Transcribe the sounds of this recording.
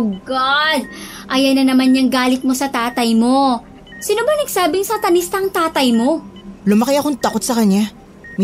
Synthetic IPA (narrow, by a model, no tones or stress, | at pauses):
ɡad̪̚ʔɐjɐnɐnɐmanɲɐŋɡaːlɪt̪̚mosɐt̪aːt̪ɐjmo̞ | sɪnobɐnɐɡsaːbɪŋsɐt̪ɐnist̪ɐŋt̪aːt̪ɐjmo̞lʊmɐkɪjɐkoŋt̪ɐko̞t̪̚sɐkɐɲːa | m